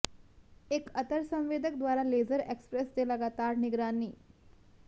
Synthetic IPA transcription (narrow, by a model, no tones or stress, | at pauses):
ekət̪əɾsə̃mʋeːd̪ʱək̚d̪ʋaːɾaleːzəɾekspɾesd̪eləɡaːt̪aːɾnɪɡɾaːniː